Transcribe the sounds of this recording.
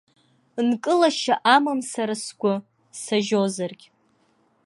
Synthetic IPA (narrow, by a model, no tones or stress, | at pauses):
nkʼɨlaʃaʔamɨmsaɾasɡʷʼʊ | saʒozarɡʲʼ